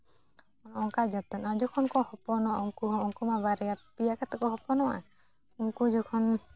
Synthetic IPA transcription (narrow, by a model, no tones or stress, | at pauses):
ɔŋkad͡ʒat̪ɔnad͡ʒɔkʰɔnkɔhɔpɔnɔɔŋkuɦɔɔŋkumabaɾɛjapijakat̪ɛkɔɦɔpɔnɔʔa̰ | ɔŋkud͡ʒɔkʰɔn